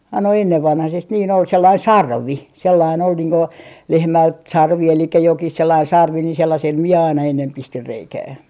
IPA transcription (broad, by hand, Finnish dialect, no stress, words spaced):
ɑi no enːeʋːɑnhɑsest niːn ol selːɑin sɑrʋi selːɑin ol niːŋ ko lehmælt sɑrʋi elikːæ jokih selːɑin sɑrʋi ni selːɑsel mie ɑinɑ enːem pistir reikæː